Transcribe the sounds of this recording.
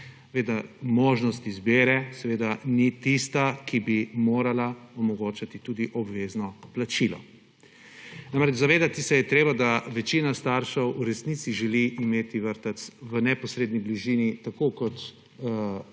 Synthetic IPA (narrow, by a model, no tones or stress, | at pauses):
ɛʋeːd̪amoːʒnɔst̪izbeːɾɛsɛʋeːd̪anit̪ist̪akibimoːɾalaɔmɔɡoːt͡ʃat̪it̪uːd̪iʔɔbʋeːznɔplat͡ʃilɔ̰ | namɾɛd͡ʒzaʋeːd̪at̪isɛjɛt̪ɾeːbad̪aʋɛt͡ʃinast̪aɾʃɛwuɾɛsnit̪siʒɛliimeːt̪iʋəɾt̪at̪sʋənɛpɔsɾeːd̪nibliʒiːnit̪akokɔt̪